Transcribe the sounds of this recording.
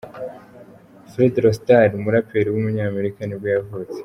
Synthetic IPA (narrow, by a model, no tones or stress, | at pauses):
fɾidɾostaɾumuɾapeɾiwumuɲaːme̞ɾikanibɡaavuze̥